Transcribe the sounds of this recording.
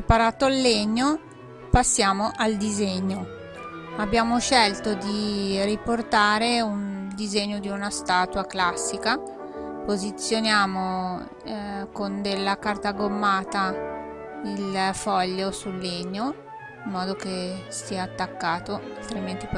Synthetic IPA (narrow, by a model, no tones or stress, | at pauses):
paɾaːt̪oalːeɲːo | pasːjaːmoʔald̪izeɲːo | abːjaːmoʃɛlt̪od̪iriport̪aːɾeund̪izeɲːod̪iunast̪aːt̪waklasːika | pozit̪sːjonjaːmo | kond̪elːakart̪aɡomːaːt̪a | ilfɔʎːosulːeɲːo | imːɔːd̪okest̪iːaːt̪ːakːaːt̪oalt̪ɾiment̪ip